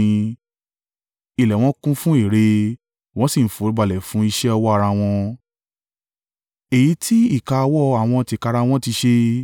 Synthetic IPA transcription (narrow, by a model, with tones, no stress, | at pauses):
i˨lɛ˨w̃ɔ̃˦kũ˦fũ˦i˦˨ɾe˧ | w̃ɔ̃˦si˦˨n̩˨˦fo˨˦ba˨lɛ˨fũ˨˦i˧ʃɛ˦ɔ˧wɔ˦a˧ɾa˧w̃ɔ̃˧ | e˨ji˨˦tʰi˦i˦˨ka˧wɔ˦a˨w̃ɔ̃˧ti˧˨ka˧ɾa˧w̃ɔ̃˦ti˧ʃe˧